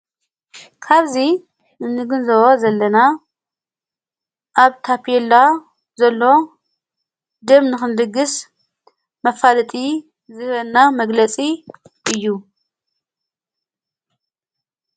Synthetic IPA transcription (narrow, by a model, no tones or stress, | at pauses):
kʰaβzi | ɨnːɨɡɨnzɐwozɐlːɐna | ʔaβt̪ʰapʰɛlːa | zɐlːo̞ | d̪ɨmnɨxɨnd̪ɨɡːɨs | mɐfalɨt̪ʼi | zɨhβɐnːamɐɡlɐt͡sʼiʔɨjːu